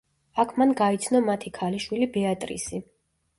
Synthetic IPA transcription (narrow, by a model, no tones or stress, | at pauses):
akʰmanɡait̪sʰnɔmat̪ʰikʰaliʃwilibɛat̪ʼɾḭsi